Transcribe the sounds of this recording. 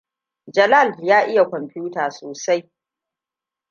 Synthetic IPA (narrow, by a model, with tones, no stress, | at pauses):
d͡ʒɐ˨la˦˨ljaː˦ʔɪ˦ja˨kʷɔ˨mpuː˦taː˨soː˨sa˦j